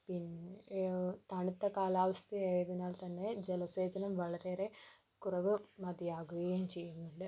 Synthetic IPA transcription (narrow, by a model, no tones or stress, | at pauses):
pinː | t̪ɐɳit̪ːɐkaːlaːʋɐst̪ʰijaːjɐðinːaːlt̪ɐnːe̞d͡ʑelɐse̞ːd͡ʑɐnɐmʋɐɭɐɾeɾe̞ | kurɐʋɨmɐd̪ijaːɣuɣɐjemt͡ɕe̞jːunːuɳɖɨ